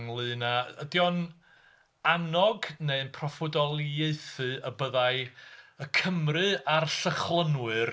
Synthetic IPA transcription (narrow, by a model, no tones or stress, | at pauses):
ŋlˠɨːnaədjɔn | anɔɡneɨnpʰrɔfʊdɔlˠjeɨθɨəbəðajəkʰəmrɨarɬəχlˠənwɨr